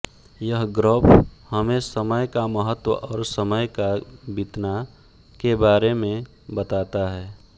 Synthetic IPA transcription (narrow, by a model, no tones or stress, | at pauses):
jəɦɡɾoːpʰhəmẽsəməjkaməɦət̪wəʔɔːɾsəməjkabɪt̪na | kebaːɾemẽ | bət̪aːt̪aɦɛː